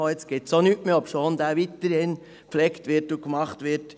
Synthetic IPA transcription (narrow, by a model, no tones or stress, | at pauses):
oɛt͡sɡ̥ɪt̪sonyʔmeɔpʃoːnd̪æːʋit̪əɾhɪn | pflɛktʋɪɾtukmɑχtʋɪɾt